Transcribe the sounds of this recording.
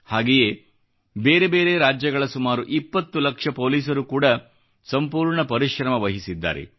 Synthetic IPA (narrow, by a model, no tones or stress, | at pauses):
haːɡejeː | be̞ːɾebe̞ːɾe̞ɾaːd͡ʒjɐɡɐɭɐsumaːɾuʔipːɐt̪ːulɐkʂɐpo̞ːliːsɐɾukuːɽɐ | sɐmpuːɾɳɐpɐɾiʃɾɐmɐʋɐɦisid̪ːa̰ːɾḛ